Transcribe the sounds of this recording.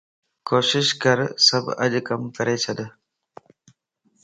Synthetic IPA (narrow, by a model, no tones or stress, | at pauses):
koːʃɪʃkəɾsəbə̰d͡ʒkəmkəɾeːt͡ʃʰəd̪